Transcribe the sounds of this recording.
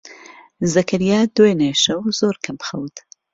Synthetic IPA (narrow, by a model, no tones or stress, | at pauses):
zɐkʰɐɾijaːd̪weneːʃɐwzoːɾkʰɐmxɐwt̪ʰ